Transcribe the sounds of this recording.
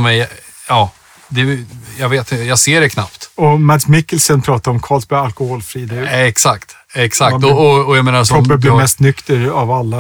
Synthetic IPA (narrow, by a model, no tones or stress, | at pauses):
mɛj | ɑː | d̪ɛjɑɡveːt̪ɪjaɡseːɖɛkʰna̰pt̪ɔmæd̪smɪkːəlsənpʰɾɑːt̪aɾɔmkʰɑːlsbɛalkɔhɔːlfɾiːd̪ɛɛksakt̪ | ɛksak̪ɔɔɔjaɡmeːnaɾsʰɾɔpːəblɪmɛst̪nʏkt̪əɾavalːa